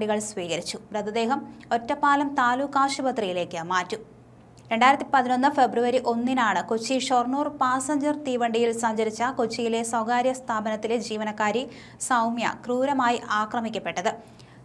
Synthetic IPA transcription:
ɖiɣɐɭsʋiːɣɐɾit͡ɕːupɾɐd̪ɐd̪e̞ːɦɐmo̞tːɐpːaːlɐmt̪aːlukːaːʂubɐt̪rijile̞ːkːɨmaːtːu | ɾe̞ɳɖaːjiɾɐt̪ːipɐðino̞nːɨfe̞bruʋɐɾiʔo̞nːinaːɳɨkot͡ɕːiʂorɳuːrpaːsɐɲd͡ʑɐrt̪iːʋɐɳɖijilsɐɲd͡ʑɐɾit͡ɕːɐkot͡ɕːijile̞sɐwɡaːɾjɐst̪ʰaːbɐnɐt̪ːiled͡ʑiːʋɐnɐkːaːɾi | sɐwmjɐ̰kruːɾɐmaːjiʔaːkrɐmikʲːɐpːe̞ʈːɐðɨ

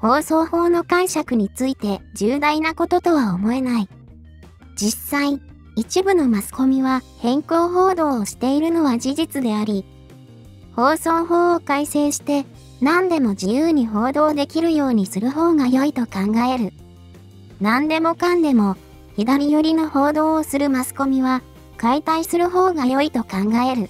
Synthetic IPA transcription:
ho̞ːso̞ːho̞ːno̞kãɰ̃ɕakɯ̟ɲ̟it͡sɨit̪e̞d͡ʑɨːd̪ainako̞t̪o̞t̪o̞β̞aomo̞e̞nai | d͡ʑisaĩ | it͡ɕibɯ̟no̞masɨ̥ko̞mʲiβahẽ̞ŋko̞ːɦo̞ːd̪o̞ːɕi̥t̪e̞iɾɯ̟no̞βad͡ʑiʑit͡sɨd̪e̞aɾʲi | ho̞ːso̞ːɦo̞ːkaise̞ːɕi̥t̪e̞ | nãnd̪e̞mo̞d͡ʑijɯːɲ̟iɦo̞ːd̪o̞ːd̪e̞kʲiɾɯ̟jo̞ːɲ̟isɨɾɯ̟ɦoːɡajo̞it̪o̞kãŋɡae̞ɾɯ̟ | nãnd̪e̞mo̞kãnd̪e̞mo̞ | çid̪aɾʲijoɾʲino̞ho̞ːd̪o̞ːsɨɾɯ̟masɨ̥ko̞mʲiβa | kait̪aisɨɾɯ̟ɦo̞ːɡajo̞it̪o̞kãŋɡae̞ɾɯ̟

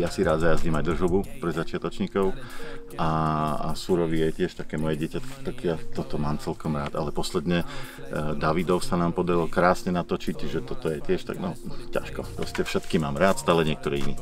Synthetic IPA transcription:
jasiɾaːd̪zajazɲimaɟd̪r̩ʒubupɾɛzat͡ʃɪat̪ɔt͡ʃɲikɔʊʔa̰ːsuɾɔʋijɛcɪɛʃt̪akɛːmɔjɛɟɪɛcat̪kɔ̥t̪akjat̪ɔt̪ɔmaːmt͡sɛlkɔmɾaːt̪alɛpɔslɛd̪ɲɛ | d̪aʋid̪ɔʊsanaːmpɔd̪aɾilkɾaːsɲɛnat̪ɔt͡ʃicʒɛt̪ɔt̪ɔjɛcɛʃt̪a̰ɡnɔca̰ʃkɔpɾɔ̰scɛfʃɛt̪kimaːmɾaːt̪st̪aːlɛɲɪɛk̚t̪ɔɾiːḭnḭ

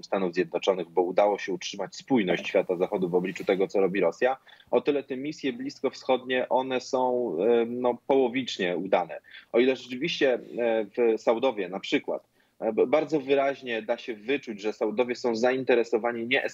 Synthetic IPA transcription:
st̪anuvzjɛd̪nɔt͡ʂɔnɘɣbɔud̪awɔɕɛutʂɘmat͡ɕspujnɔɕt͡ɕɕfʲat̪azaxɔd̪uvɔblʲit͡ʂut̪ɛɡɔt̪sɔɾɔbʲiɾɔsʲja | ɔt̪ɘlɛt̪ɛmʲisʲjɛblʲiskɔfsxɔd̪ɲɛʔɔn̪ɛsɔ̃w̃nɔpɔwɔvʲit͡ʂɲɛud̪anɛ̰ɔilɛʐɛt͡ʂɘvʲiɕt͡ɕɛvsawd̪ɔvʲjɛnapʂɘkwa̰t̪ | baɾd̪zɔvɘɾaʑɲɛd̪aɕɛvɘt͡ʂud͡ʑʐɛsawd̪ɔvʲjɛsɔ̃w̃zaint̪ɛɾɛsɔvaɲiɲɛʔɛ

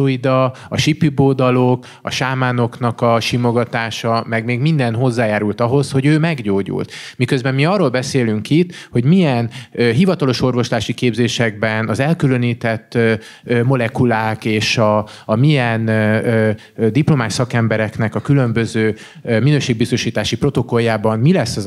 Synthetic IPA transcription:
oid̪ɒ | ɒʃipːiboːd̪ɒlo̞k | ɒ̰ʃaːmaːno̞knɒkɒʃimo̞ɡɒt̪aːʃɒmɛɡmeːɡmind̪ɛnɦo̞zːaːjaːɾult̪ɒɦo̞sho̞ɟøːmɛɡɟoːɟṵlt̪mikø̞zbɛmmiɒrːoːlbɛseːlyŋkit̪ːho̞ɟmijɛnɦivɒt̪ɒlo̞ʃo̞rvo̞ʃlaːʃikeːbzeːʃɛɡbɛnɒzɛlkylø̞niːt̪ɛt̪ː | ømo̞lɛkulaːkeːʃɒː | mijɛn | d̪iplo̞maːʃsɒkɛmbɛɾɛknɛkɒkylø̞mbø̞zøː | minøːʃeːɡ̚bist̪o̞ʃiːt̪aːʃipro̞t̪o̞ko̞jaːbɒnmilɛsːɒz

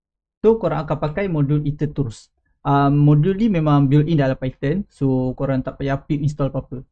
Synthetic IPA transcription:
t̪ohkoɾãŋakapakajmodulit̪ət̪uɾus | ʔəmːodulnimemãŋbilindalampait̪ənsokoɾant̪aʔpajapiʔins̬t̪ɔlpapə

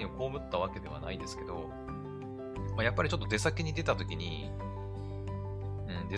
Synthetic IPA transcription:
ɲioko̞ːmɯ̟t̪ːaβ̞ake̞d̪e̞βa̰naid̪e̞sɨ̥ke̞d̪o̞̰ | majapːaɾʲit͡ɕo̞t̪ːod̪e̞sakeɲ̟id̪e̞t̪at̪o̞kʲiɲ̟ḭ | ɯ̟̃ɴd̪e

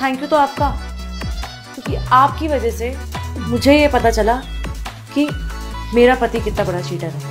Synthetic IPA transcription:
t̪ʰɛ̃ːŋkjut̪oaːp̚ka | kjũːkiaːp̚kiʋɐd͡ʒɛsemʊd͡ʒʱejepɐt̪at͡ʃɐla | kimeːɾapɐt̪ikɪt̪nabɐɽat͡ʃiːʈəɾɦɛː

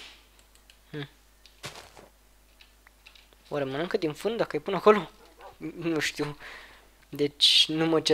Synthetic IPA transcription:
h̩ | waɾemənɨŋkəd̪infɨnd̪d̪akəajpunako̞lo | nuʃt̪iw | d̪et͡ʃʲnumət͡ʃe

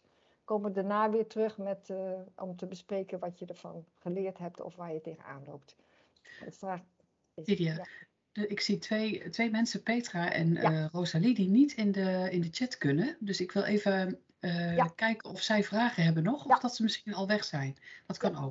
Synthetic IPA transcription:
koːməʋədanaːʋɪːɹtrøxmɛtɔmtəbəspreːkənʋɑtjədəɹvɔ̰nχəlɪːɹtɦɛp̚tɔ̰fʋaːjəteːɣəna̰ːnloːp̚t | fa | idja | dɪksitʰʋetʋejmɛnsəpeːtraʔɛ̰nroːzalidinitʰɪndəɪndət͡ʃɛtkønədøsɪkʋɪlˠʔeːvə | əːkɛjkənɔfsɛjvraːɣəɦɛbənɔxɔfdɔtsəmɪsxinɑlˠʋɛxsɛjndɔtkɑnow

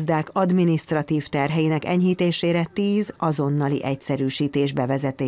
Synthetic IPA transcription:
zd̪aːkɒd̪minist̪rɒt̪iːft̪ɛrɦɛjinɛkɛɲɦiːt̪eːʃeːɾɛt̪iːzɒzo̞nːɒlḭʔɛcsɛɾyːʃiːt̪eːʒbɛvɛzɛt̪eː

